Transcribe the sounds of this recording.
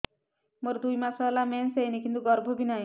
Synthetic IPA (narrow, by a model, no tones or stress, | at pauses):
moɾd̪ujmasalamɛnsenikint̪uɡɔɾbʱɔbʱinaj